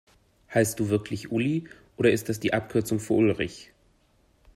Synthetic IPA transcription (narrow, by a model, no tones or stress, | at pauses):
haɪstd̥uːvɪɐkʰlɪçʔʊliʔoːɾɐɪst̚d̥as̬d̥iːʔap̚kʰʏɐt͡sʊŋfyːɐʔʊlʁɪç